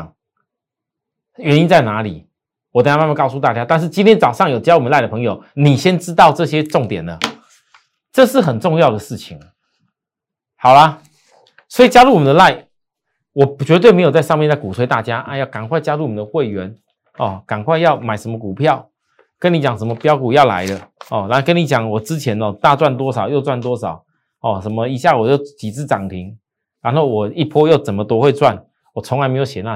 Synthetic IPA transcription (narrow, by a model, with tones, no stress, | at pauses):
ŋ | ɥɛ˧˥ni˧˥nt͡sa˥˩ɪna˧˥lḭ˨˩˦ | wɔ˨˩˥a˦ma˥˧ma˥˧nkɑ˥˧ʊs̬u˧t̪a˥˩t͡ɕja˦˥t̪a˥˧nʂ̬ɻ̩˥˩t͡ɕi˥nt̪ʰjɛ˥nt͡sɑ˨˩ʊʂɑ˥˩ŋjo˨˩ʊt͡ɕjwɔ˨mə˦la˥˩ɪdə˩pʰŋjo˨˩ʊni˨˩ɕjɛ˦˥nʈ͡ʂɻ̩˥t̪ɑ˥˧ʊʈ͡ʂɤ˥˩ɕjɛ˦˥ʈ͡ʂʊ˥˩ŋt̪jɛ˨˩nə˦ | ʈ͡ʂɤ˥˧ʂɻ̩˥˩xə˨˩nʈ͡ʂʊ˥˧ŋjɑ˥˩ʊd̪ə˩ʂɻ̩˥˩t͡ɕʰi˨˩ŋ˩ | xɑ˨˩ʊlɐ˦ | swɔ˧˥i˨˩t͡ɕja˥lu˥˩wɔ˨˩mə˦nd̪ə˧la˥˩ɪ | wɔ˨˩t͡ɕɥɛ˧˥t̪we˥˩ɪme˧˥jt͡sa˥˧ɪʂɑ˥˧ŋmjnt͡sa˥˩ku˨˩we˥ɪt̪a˥˩t͡ɕja˥a˥˧˦jɑ˥˩ʊka˨˩nkʰwa˥˩ɪt͡ɕja˥lu˥˩wɔ˨˩mə˦nd̪ə˧xwe˥˩ɪɥɛ˨˦n | ɔ˥˩ka˨˩nkʰwa˥˧ɪjɑ˥˩ʊma˨˩ɪʂə˧˥nmə˧k̬u˨˩pʰjɑ˥˨˩ʊ | kə˦˥ni˧˥t͡ɕjɑ˨˩ŋʂə˧˦mə˧pjɑ˥ʊku˨˩jɑ˥˩ʊla̰˧˥ɪdə˧ɔ˥˩a˧˥no˥˩kə˦˥ni˧˥t͡ɕjɑ˨˩˦ŋwɔ˨˩t͡sɻ̩˦t͡ɕʰjɛ˧˥nə˧t̪a˥˧t͡swa˥˧˩nt̪̬wɔ˥sɑ˨˩˦ʊjo˥˧ʊt͡swa˥˩nt̪wɔ˥sɑ˨˩˦ʊ˥˨˩ | ʂə˧˥nmə˧i˧˥ɕja˥˩wɔ˨˩t͡ɕo˥˩ʊt͡ɕi˨˩t͡sɹ̩˥˩ʈ͡ʂɑ˨˩ŋt̪ʰi˨˧˥ŋ | ɻa˧˥nxo˥˩ʊwɔ˨˩i˥˩pʰɔ˥jo˥˩ʊt͡sə˨˩nmə˨˦t̪wɔ˥xwe˥˧ɪt͡swa˥˩n | wɔ˨˩t͡sʰʊ˧˥ŋla˧ɪme˧˥ɪjo˨˩ʊɕjɛ˨˩na˥˩